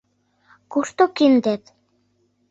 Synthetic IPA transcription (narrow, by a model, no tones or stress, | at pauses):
kuʃt̪okind̪et̪